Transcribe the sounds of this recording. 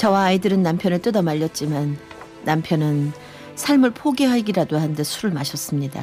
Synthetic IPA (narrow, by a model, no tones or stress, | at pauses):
t͡ɕʌwaːidɯɾɯnːampʰjʌnɯɭt͈ɯdʌmaʎːʌt̚t͡ɕ͈imanː | ampʰjʌnɯn | sʰaɭmɯɭpʰoɡeɦaɡiɾadohande̞sʰuɾɯɭmaɕʰʌs͈ɯmɲida̰